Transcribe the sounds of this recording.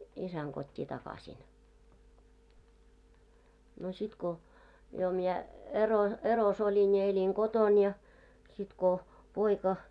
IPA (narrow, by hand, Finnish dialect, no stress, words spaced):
isæŋ kotʲːi tɑkɑsʲin no sit ko jo miɛ ero eros olʲin jɑ elʲiŋ ɡ̊oton jɑ sit ko poikɑ